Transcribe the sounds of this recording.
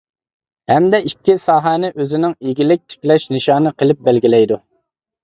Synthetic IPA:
hɛmd̪ɛikʲːisɑːɦænɪʔøzɪnɪŋiɡʲilɪk̚ʲt̪ʰɪ̥kʲlɛʃnɨʃɑːnɨqʰəlˠɪp̚bælɡʲilɛjd̪u

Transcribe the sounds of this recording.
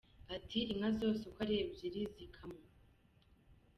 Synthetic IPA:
atʰiɾiŋazo̞ːsekʷwaɾeːbjeɾizikʰamŋa

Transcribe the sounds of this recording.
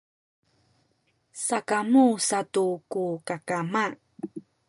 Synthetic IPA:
sakamusatukukakama

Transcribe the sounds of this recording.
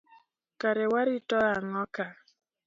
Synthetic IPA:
kaɾɛwaɾitɔaŋɔka

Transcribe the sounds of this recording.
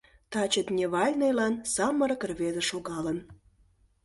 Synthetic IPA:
t̪ɑt͡ɕət̪nʲeβɑlʲnejlɑnsɑmːəɾəkərβed̪ĕʃoɣɑlən

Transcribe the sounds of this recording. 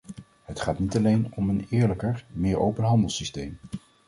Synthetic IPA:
ɦətχaːtnitɑlejnɔmənɪːɹləkəɹmɪːɹowpənɦɑndəlˠsistejm

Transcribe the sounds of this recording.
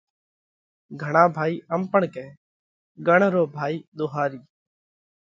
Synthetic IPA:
ɡʱəɳ̃ãːbʱaːiːʔəmpəɳkẽː | ɡəɳɾoːbʱaːiːd̪oːɦaːɾiː

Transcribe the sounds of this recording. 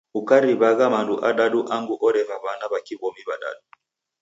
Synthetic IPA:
ukaɾiβaɣamanduʔaɗaɗuʔaŋɡuʔɔɾɛvaβanaβakiβɔmiβaɗa̰ɗu

